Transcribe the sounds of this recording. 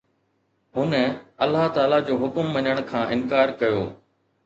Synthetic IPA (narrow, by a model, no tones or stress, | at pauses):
ɦʊnəɐlːaɦt̪aːlad͡ʑoːɦʊkʊmʋɐɲəɽ̃kʰãːʔɪnkaːɾkɐjo̰ː